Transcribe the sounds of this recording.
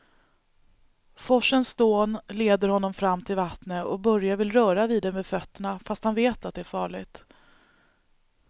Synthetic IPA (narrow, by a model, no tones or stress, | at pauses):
fɔʂənsd̪oːnleːd̪əɾhɔnːɔmfɾamːt̪ʰɪlvat̪nəɔbœɾjavɪlɾœːɾavid̪ɛmeːd̪fœt̪ːəɳafast̪hanveːt̪at̪̚d̪ɛæːɾfɑːɭɪɡt̪